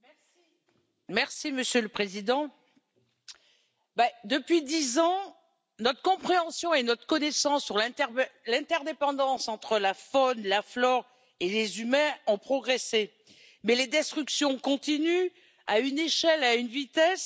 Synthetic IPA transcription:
mɛ | i | mɛʁsiməsjøləpχezid̪ɑ̃ | bɛd̪əpɥid̪izɑ̃ | nɔt̪χə̥kɔ̃pχeɑ̃sjɔ̃enɔt̪χə̥kɔnesɑ̃sːyʁlɛ̃lɛ̃t̪ɛʁd̪epɑ̃d̪ɑ̃sɑ̃t̪χəlafɔnlaflɔʁ | elezymɛ̃ɔ̃pχɔɡʁese | mɛled̪ɛst̪χyksjɔ̃kɔ̃t̪iny | ayneʃɛlaynvit̪ɛs

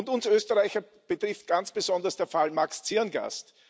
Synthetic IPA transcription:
ʊntʊnsøːstəʁaɪçɐ | b̥ətʁ̥ɪft̚ɡ̥ant͡sb̥əzɔndɐsd̥eːɐfalmakst͡siɐnɡa̰st

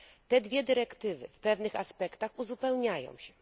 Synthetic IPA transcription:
t̪ɛd̪vʲjɛd̪ɘɾɛkt̪ɘvɘ̰fpɛvnɘxaspɛkt̪axuzupɛwɲajɔ̰̃w̃ɕɛ

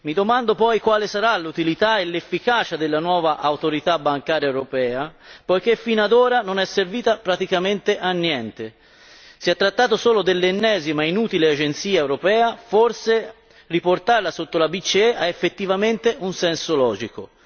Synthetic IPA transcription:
mid̪omand̪opɔjkwaːlesaɾalːut̪ilit̪aelːefːikaːt͡ʃad̪elːanwɔːvaʔawt̪oɾit̪abaŋkaːɾjaewɾopɛːapojk̟efːinad̪oːɾanonɛsːerviːt̪apɾat̪ikament̪eʔanːjɛnt̪e | siɛt̪ːɾat̪ːaːt̪osoːlod̪elːenːɛːzimainuːt̪ilead͡ʒent̪siːaewɾopɛːaforse | riport̪arlasot̪ːolabit͡ʃːiɛʔaefːet̪ːivament̪eʔunsɛnsolɔːd͡ʒiko

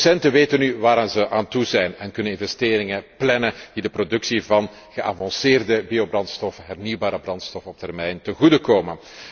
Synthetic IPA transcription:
sɛntəʋeːtənyʋaːɾaːnzəʔaːntuzɛjnɛnkɵnənɪnvɛsteːɾɪŋəplɛnəd̥idəprodɵksivɑn | ɣəʔa̰ːvɑnsɪːrdəbiobrɑntstɔfəɦɛrniwbaːɾəbrɑntstɔfəɔp̚tɛrmɛjntəɣudəkoːmən

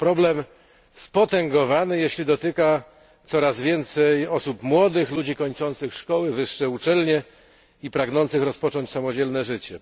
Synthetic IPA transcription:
pɾɔblɛm | spɔt̪ɛŋɡɔvanɘjeɕlʲid̪ɔt̪ɘka | t̪sɔɾazvʲjɛnt̪sɛjɔsupmwɔd̪ɘxlud͡ʑikɔɲt͡ʂɔnt̪sɘxʂkɔwɘvɘʂːɛut͡ʂɛlɲɛ | ipɾaɡnɔnt̪sɘxɾɔspɔt͡ʂɔɲt͡ɕsamɔd͡ʑɛlnɛʐɘt͡ɕɛ

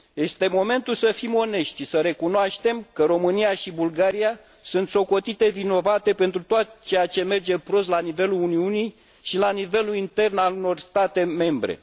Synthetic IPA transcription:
je̞st̪e̞mo̞me̞nt̪ulsəfimo̞ne̞ʃt̪səɾe̞kunoaʃt̪e̞mkəɾo̞mɨnijaʃibulɡaɾia | sunt̪so̞ko̞t̪it̪e̞vino̞vat̪e̞pe̞nt̪ɾut̪oat̪t͡ʃe̞jat͡ʃe̞me̞rd͡ʒe̞pɾo̞slanive̞luluniunij | ʃilanive̞lulint̪e̞rnaluno̞rst̪at̪e̞me̞mbɾe̞̰

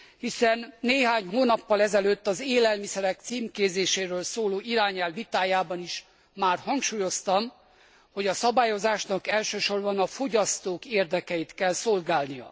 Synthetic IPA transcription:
hisɛnːeːɦaːɲɦoːnɒpːɒlɛzɛløt̪ːɒzeːlɛlmisɛɾɛk̚t̪siːmkeːzeːʃeːɾøːlsoːloːiɾaːɲɛlʋit̪aːjaːbɒniʃ | maːrhɒŋkʃuːjo̞st̪ɒm | ho̞ɟɒsɒbaːjo̞zaːʃnɒkɛlʃøːʃo̞rbɒnɒfo̞ɟɒst̪oːkeːrd̪ɛkɛjit̪kɛlsolɡaːlnijɒ̰

